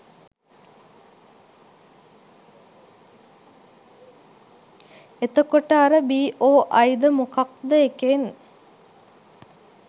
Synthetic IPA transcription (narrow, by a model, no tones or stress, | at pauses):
et̪əkoʈəaɾəbiːʔoːʔajd̪əmukak̚d̪əeken